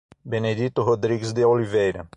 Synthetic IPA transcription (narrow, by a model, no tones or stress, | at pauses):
bened̪it̪ʊɦod̪ɾiɡsd̪eolivejɾɐ